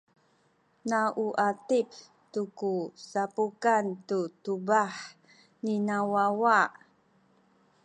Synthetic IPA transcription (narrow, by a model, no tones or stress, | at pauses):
naʔuʔatip | tukusapukantutubaħ | ninawawaʔ